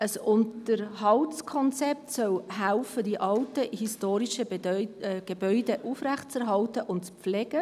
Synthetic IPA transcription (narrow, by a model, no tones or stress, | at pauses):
əsʊntəɾɦɑltskʰɔnt͡sɛp̚tsœlɦælfəd̥iʔɑltəhistoːɾiʃə | ɡ̥ebœʏdeʔufɾæχt͡sɛɾɦɑltəʔʊntt͡sflɛɡ̥ə